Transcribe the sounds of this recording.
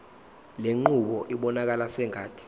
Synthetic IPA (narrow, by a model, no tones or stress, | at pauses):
leŋ͡ǃuɓɔʔiɓɔnak̬alasɛŋʱaːtʰʼi̥